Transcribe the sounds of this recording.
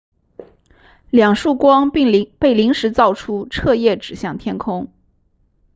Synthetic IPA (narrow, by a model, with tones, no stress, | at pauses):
ljɑ˨˩ŋʂu˥˩kwɑ˥ŋpe˥˩ɪli˧˥ŋʂɻ̩˧˥t͡sɑ˥˩ʊʈ͡ʂʰu˥ʈ͡ʂʰɤ˥˧jɛ˥˩ʈ͡ʂɻ̩˨˩ɕjɑ˥˩ŋt̪ʰjɛ˥nkʰʊ˥ŋ